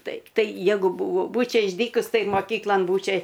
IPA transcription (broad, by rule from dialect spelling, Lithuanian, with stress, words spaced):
ˈtɐɪp ˈtɐɪ ˈjæːɡʊ ˈbʊʋoː ˈbuːt͡ʃʲɛ ɪʒʲˈdʲiːkʊs ˈtɐɪ moːˈkʲiːklˠɐn ˈbuːt͡ʃʲɛ